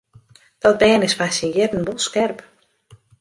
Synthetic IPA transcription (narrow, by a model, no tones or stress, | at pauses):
d̥ɔt̚bɛːnɪsfasinjɪdən̩bɔlˠskɛrp